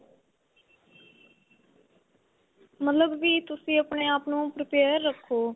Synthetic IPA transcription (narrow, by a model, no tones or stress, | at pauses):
mət̪ləbːiːt̪ʊsĩːəpɳeːaːpnũːpɾəpeːɾːəkʰːoː